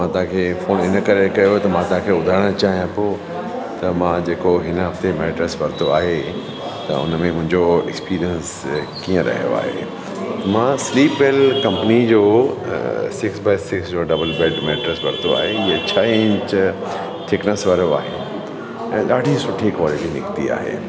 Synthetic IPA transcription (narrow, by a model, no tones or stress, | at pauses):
mãt̪ɐɦãkʰeːfoːnɪnəkɐɾekɐjot̪ɐmãt̪ɐɦãkʰeːʊd̪ʱaːɾɽ̃ət͡ɕaːɦijãpoː | t̪ɐmãːd͡ʑeːkoɦɪnɦɐft̪emɛːʈɾesʋɐɾt̪oaːɦe | t̪ɐ̰ʊ̰nəmẽmʊ̃ɦɪ̃ɲd͡ʑoɛ̰kspiːɾijəns | kiːə̃ɾɐ̰ɦijo̰a̰ːɦḛ | t̪ɐmãsliːpʋeːlkɐ̃mpənid͡ʑoː | sɪksbeːsɪksd͡ʑoːɖɐbəlbeːɖmɛːʈɾesʋɐɾt̪ʰoa̰ːɦeɪɦet͡ɕʰɐɪ̃ɲt͡ɕ | ʈʰɪknəsʋəɾoa̰ːɦejṵ̃ | ɛ̰̃ːɗaːɖʱĩsʊʈʰːikʋaːlɪʈinɪ̰kt̪ḭa̰ːɦḛː